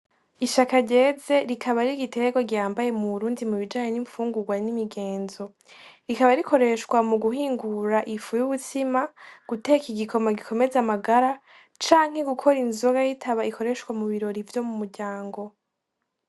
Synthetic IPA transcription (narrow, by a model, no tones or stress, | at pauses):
iʃakaɾɟe̞ze̞ɾikʰaβaɾiɡiteɡo̞ɡaːmbaje̞muβuɾuːndimuβid͡ʒaːɲe̞niɱfuːŋɡuɡwanimiɡe̞ːnzo̞ | ɾikaβaɾikʰo̞ɾe̞ʃkwamuɡuhiːŋɡuɾaʔifujuβutimaɡ̥ute̞kiɡikʰo̞maɡikʰo̞me̞zamaɡaɾa | t͡ʃaːŋ̥he̞ɡukʰo̞ɾinzoɡajitʰaβaikʰo̞ɾe̞ʃwamuβiɾo̞ɾivjo̞mumuɾɟaːŋɡo̞